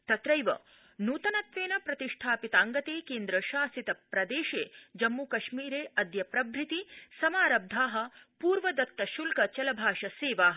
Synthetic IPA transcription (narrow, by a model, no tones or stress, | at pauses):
t̪ɐt̪ɾɐjʋɐ̰ | nuːt̪ɐnɐt̪ʋeːnɐpɾɐt̪iʂʈʰaːpit̪aːŋɡɐt̪eːkeːnd̪ɾɐʃaːsit̪ɐpɾɐd̪eːʃeːd͡ʒɐmːukɐʃmiːɾeːɐd̪jɐpɾɐbʱɾit̪isɐmaːɾɐb̚d̪ʱaːɦɐ̆puːɾʋɐd̪ɐt̪ːɐʃulkɐt͡ʃɐlɐbʱaːʃɐseːʋaːɦɐ